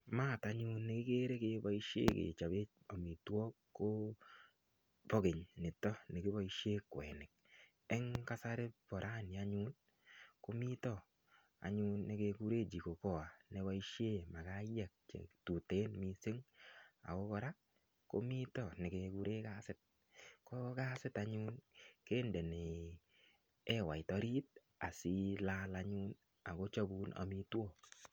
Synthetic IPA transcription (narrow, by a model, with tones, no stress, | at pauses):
ma˦˨ta˨˦ɲu˦nːe˨kɪ˦ke˦ɾe˦ke˨ba˦i˦ʃjḛ˦kḛ˨t͡ʃa˨be˦ | o˨mi˨twɔ˦kːo˦ | pɔ˦ke˨ɲnɪ˨tɔ˦ne˨kɪ˦ba˦i˦ʃje˦kwɛ̰˨nɪ˨k̚ | ɛ˦ŋka˦sa˦ɾe˦bɔ˨ɾʔa˦˨nja˦ɲu˦n | ko˦mi˦tɔ˦ | a̰˨ɲʊ˦nːe˨ke˧ku˦ɾe˦d͡ʒi˨ko˨kɔ˦˨a˨ne˦wa˦i˦ʃe˦ma˨ka˦jɛ˦˨k̚t͡ʃḛ˨tu˨te˦nmi˨se˦ŋa̰˨kɔ˦kɔ˦ɾa˦ | ko̰˦mi˦tɔ˨ne˨ke˧ku˦ɾe˦ka˦sɪ˦t̚ | kɔ˦ka˦sɪ˦ta˦ɲu˦nke˦nde˨ne˨ | ɛ˦wa˨ɪ˨tɔ˧˦ɾi˦t̚ | a˨si˦la˦laɲu˦n | a˨ko˦t͡ʃa˦bu˦nʔa̰˨mi˦two˦˨